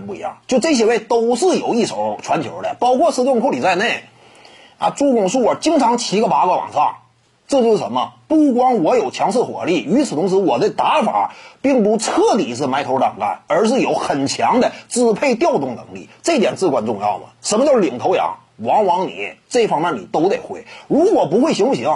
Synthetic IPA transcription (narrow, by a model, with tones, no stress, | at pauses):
pu˥˩ḭ˧˥jɑ̰˥˩ŋt͡ɕjo˥˧ʊʈ͡ʂɤ˥˩ɕ̬jɛ˧˥we˥˩ɪt̪o˥ʊʂɻ̩˥˩jo˨˩ʊi˥˩ʂo˨˩˦ʊʈ͡ʂʰwa˧˥nt͡ɕʰjo̰˧˥ʊd̪ə̰˧˩pɑ˥ʊkʰwɔ˥˩t͡s̩ʰ˥˧t͡sʊ˥˧ŋkʰo˥˧li˨˩t͡sa˥˧ɪne˥˩ɪ | a̰˧˩ʈ͡ʂu˥˧kʊ˥˩ŋʂu˥˩ə˨˩t͡ɕi˥ŋʈ͡ʂʰɑ˧˥ŋt͡ɕʰi˧˥ɡə˧pa˧˥kə˧˥wɑ̰˨˩ŋʂɑ˥˩ŋ | ʈ͡ʂɤ˥˧t͡ɕjo˥˧ʊʂ̩˧˩ʂə˧˥mə˧pu˥˩k̬wɑ˥ŋwɔ˧˥jo˨˩ʊt͡ɕʰjɑ˧˥ŋʂʰɹ̩˥˩xwɔ̰˨˩li˥˩y˧˥t͡sʰɹ̩ʰ˨˩ʊ˧˥ŋʂ̬ɻ̩˧˥wɔ˨˩d̪ə˥˧t̪a˧˥fa̰˨˩˦pi˥˩ŋpu˧˥ʈ͡ʂʰɤ˥˩t̪i˨˩ʂ̩ʰ˥˩ma˧˥ɪt̪ʰo˧˥ʊʈ͡ʂɑ˨˩ŋka̰˥˩nə˞˧˥ʂ̬ɻ̩˥˩jo˧˥ʊxə˨˩nt͡ɕʰjɑ˧˥ŋd̪ə˨t͡sɹ̩˥˧pʰe˥˧ɪt̪̬jɑ˥˧ʊt̪ʊ˥˩ŋnɤ̰˧˥ŋlḭ˥˩ʈ͡ʂɤ˥˩i˥t̪jɛ˨˩nt͡sɹ̩˥˩kwa˥˩nʈ͡ʂʊ˥˧ŋjɑ̰˥˩ʊmə̰˩ʂə˧˥nmə˧t͡ɕjli˨˩ŋt̪ʰo˧˥ʊjɑ̰˧˥ŋ | wɑ˧˥ŋwɑ˧˥ŋnḭ˨˩˥ʈ͡ʂɤ˥˩fɑ˥ŋmjɛ˥˩nḭ˨˩t̪o˥ʊt̪e˨˩ɪxwe˥˩ɪɻu˧˥kwɔ˨˩pu˧˥xwe˥˩ɪɕi˧˥ŋfu˥˩ɕi˧˥